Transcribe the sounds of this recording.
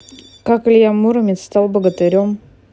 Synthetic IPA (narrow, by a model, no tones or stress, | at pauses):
kakɨlʲjamuɾəmʲɪt̪st̪alˠbəɡət̪ɨɾʲom